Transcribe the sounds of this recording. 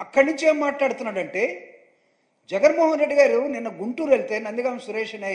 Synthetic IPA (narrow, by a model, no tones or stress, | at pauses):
ɐkːɐɽniɲt͡ʃieːmːaːʈlaːɽut̪unːaːɽɐɳʈe̞ː | d͡ʒɐɡɐnmɔːɦɐnɾe̞ɖːiɡaːɾuninːɐɡuɳʈuːɾelit̪enɐnd̪iɡaːmsuɾɛːʂɐnɐ